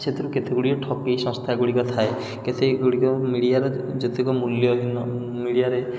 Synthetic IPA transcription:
t͡ʃʰet̪ʰiɾuket̪ʰeɡuɽiɔʈʰɔkejsɔ̃ŋst̪ʰaɡuɽikɔt̪ʰae | ket̪ʰeɡuɽikɔmiɽijaɾɔd͡ʒɔt̪ikɔmuljɔɦinɔ | miɽijaɾe

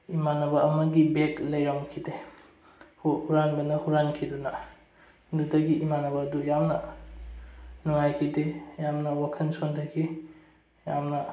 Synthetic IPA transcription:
imanɐbɐɐmɐɡibeklɐjɾoŋkʰide | huhuɾanbɐnɐhuɾankʰidunɐ | dudɐɡiimanɐbaːdujamnɐ | nuŋajkʰidejamnɐwakʰɐnsontʰɐɡi | jamnɐ

